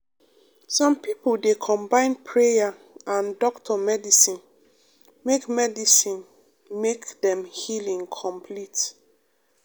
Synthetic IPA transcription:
sɔ̃mpipuldekʰɔ̃mbãɪ̃npʰɹeja | ʔãndɔktʰɔmɛdisĩn | mekmɛdisĩn | mekdɛ̃mhilĩŋkʰɔ̃mpʰlit

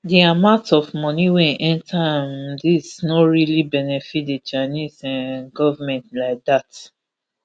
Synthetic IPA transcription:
diamãʊ̃ntɔvmɔniwɛ̃nʔɛ̃ntʰãmdisnɔɹilibɛnɛfit̚det͡ʃaɪnizãnɡɔvəmɛ̃ntlaɪk̚dat

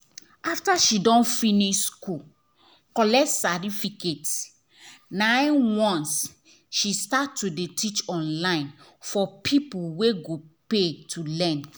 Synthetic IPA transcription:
aftaʃidɔ̃nfiniʃskul | kɔlɛtsatifiket | nãɪ̃wɔ̃ns | ʃistatːudetʰit͡ʃɔ̃nlãɪ̃nfɔpʰipuweɡopetʰulɛ̃n

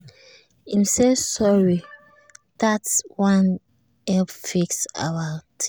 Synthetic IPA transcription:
ãmsesɔɹi | ð̥atswãn | ɛpfiksa̰wat

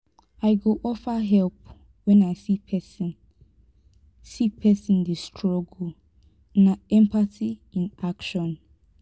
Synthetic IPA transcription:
aɪɡoʔɔfaɦɛlp̚ | wɛ̃naɪsipʰɛsĩn | sipʰɛsĩndestʰɹɔɡo | nãɛ̃mpatʰiĩnakʃɔ̃n

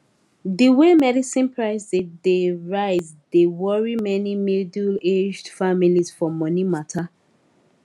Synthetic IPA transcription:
diwemɛdisĩnpʰɹaɪsideɹaɪz | dewɔɹimɛnimiduled͡ʒdfamilizfɔmɔnimatʰa

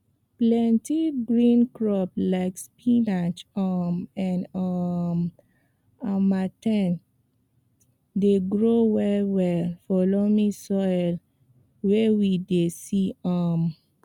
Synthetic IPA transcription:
plɛ̃ntiɡɹĩnkɹɔplaɪkspinat͡ʃɔmɛ̃nʌm | amatɛ̃n | deɡɹowɛlwɛlfɔlomisɔjl | wewidesiɔm

